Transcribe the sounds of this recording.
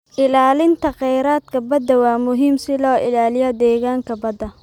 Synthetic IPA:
ʔɪlaːlɪnt̪ʰɐqɛjɾaːd̪̚kʰɐbɐd̪ɐwaːmʊɦiːmsɪlɔːʔɪlaːlɪjɔd̪ɛːɣaːŋkʰɐbɐd̪ɐ

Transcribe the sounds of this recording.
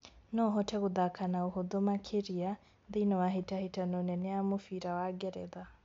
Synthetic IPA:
nɔɦɔtʰɛɣuðakʰanauhoðɔmakʰeɾia | ðinɔwaɦitahitanɔnɛnɛamʊfiɾawaɡɛɾɛ̰ða

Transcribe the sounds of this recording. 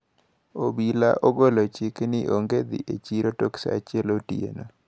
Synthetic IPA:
obilaʔoɡolot͡ʃɪknɪʔoŋɡed̪ḭʔet͡ʃiɾotoksa̰at͡ʃɪɛlotiḛno

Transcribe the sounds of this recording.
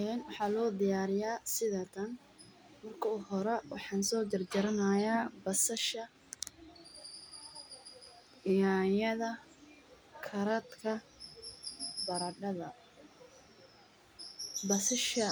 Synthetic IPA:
ɛnwɑħɑːlɔːd̪ɪjaːɾɪjaːsɪðɐt̪ʰɐn | mɐrkʰɐuhɔɾɛwɑ̰ħɑːnsɔːd͡ʒɐrd͡ʒɐɾɐnaːjaːbɐsʃɐ | jaːjɐðɐ | kʰɐɾɐd̪kʰɐ | bɐɾɐɖɐðɐ | bɐsɪʃɐ

